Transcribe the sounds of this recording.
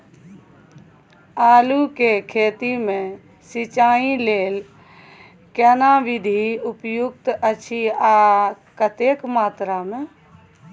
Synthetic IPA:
aːlukekʰeːt̪imẽ | sit͡ʃaːileːl | kɛnaʋid̪ʱiʊpjʊk̚t̪ət͡ʃʰia | kət̪ekmaːt̪ɾamẽ

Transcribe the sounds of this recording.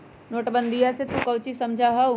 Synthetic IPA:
noːʈbə̃nd̪ʱijaset̪ũkɐwt͡ʃisɐmd͡ʒʱaɦɐ

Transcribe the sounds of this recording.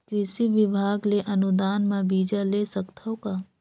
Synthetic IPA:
kɾɪʃiʋɪbʱaːɡleʔɐnud̪aːnmãbiːd͡ʒalesəkt̪ʰəwka

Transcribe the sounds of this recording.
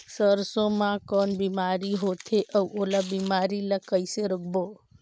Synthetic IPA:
səɾsõmãkɔnbimaɾiɦot̪ʰeʔəwʔolabimaɾiləkəjseɾəkbo

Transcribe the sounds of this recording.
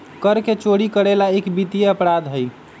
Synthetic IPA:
kəɾket͡ʃoɽikəɾelaekbit̪ijeəpɾad̪ɦəj

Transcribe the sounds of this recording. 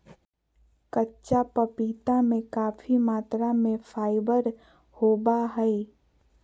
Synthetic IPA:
kətːʃapəpiːt̪amẽkaːfimaːt̪ɾamẽfʰaːɪbəɾ | hoːbaɦɛi

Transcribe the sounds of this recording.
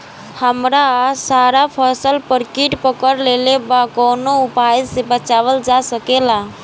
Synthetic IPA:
həmɾasaɾapʰəsəlpəɾkiʈpəkəɾlelebakonoupaid͡ʒsebət͡ʃabəld͡ʒasəkela

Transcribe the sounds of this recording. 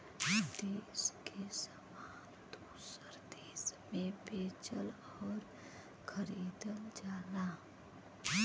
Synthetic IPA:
d̪eːskʰesəmaːnt̪d̪u | səɾd̪eːsmẽbeːt͡ʃəl | ɔːɾ | kʰəɾiːd̪əld͡ʒaːlaː

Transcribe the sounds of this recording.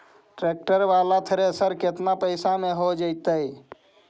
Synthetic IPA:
ʈɾek̚ʈəɾbalat̪ʰəɾesəɾket̪napəɪsameɦod͡ʒəɪt̪əj

